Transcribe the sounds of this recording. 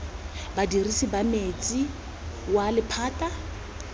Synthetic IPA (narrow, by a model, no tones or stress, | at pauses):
badirisibamet͡sʼi | walɪpʰaːtʼa